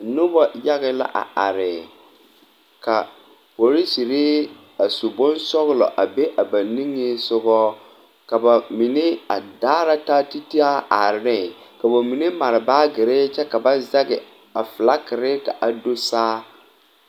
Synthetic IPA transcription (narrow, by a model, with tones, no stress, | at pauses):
nʊ˦bɔ˦ja˦ɣɪ˦la̰˦ʔa̰˨ʔa̰˨ɾɪ˨ | ka˨ | po˨ɾi˦si˨ɾɪ˦ | a˨su˨bɔ˦nsɔ˦ɣlɔ̰˨ʔa˨be˦ʔa˨ba˨ni˦ŋe˦sʊ˦ɣɔː˦ | ka˨ba˨mi˨ne˦a̰˨daː˦ɾa˦ta˦ti˦ti˦a˦ʔa˨ɾɪ˨nɪ˦˨ka˨ba˨mi˨ne˦ma˨ɾɪ˨baː˦ɡɪ˨ɾɪ˦t͡ʃɛ˦ka˨ba˦za˦ɡɪ˨ | a˨fɨ˨la˦kɪ˨ɾɪ˦ka˨ʔa˨do˦saː˦